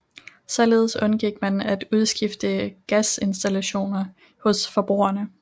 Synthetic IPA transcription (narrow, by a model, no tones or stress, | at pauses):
sɒ̽le̝ːð̞ˠsɔ̽nɡ̥iɡ̥̚mænæd̥uð̞ˠsɡ̥ifd̥əɡ̥æse̝nsd̥ælæɕo̝̰ːnɐ | hɔ̽sfɒ̽b̥ʁṵːɐnə